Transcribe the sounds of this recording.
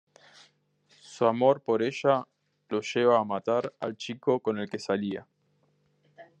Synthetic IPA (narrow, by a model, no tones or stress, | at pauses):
suamo̞ɾpo̞ɾeʃa | lo̞ʒeβaːmat̪aɾa̰lt͡ʃiko̞ko̞ne̞lke̞salia